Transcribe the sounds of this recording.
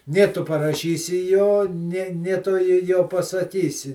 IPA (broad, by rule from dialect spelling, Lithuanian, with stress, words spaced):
ˈnʲeː ˈtʊ pɐrɐˈʃʲiːsʲɪ ˈjoː ˈnʲeː ˈnʲeː ˈtʊ ˈjoː joː pɐsɐˈkʲiːsʲɪ